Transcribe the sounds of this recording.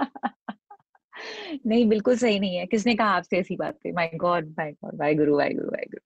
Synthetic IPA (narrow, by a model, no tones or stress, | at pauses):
nɐɦĩbɪlkʊlsɐɦinɐɦĩɦɛkɪs̬nekɐɦaaːpseɛːsiba̰ːt̪ːḛmaːɪɡɔːɖ̚maːɪɡɔ̰ːɖ̚baːjɡʊɾubʱa̰ːjɡʊ̰ɾṵba̰ːjɡʊɾu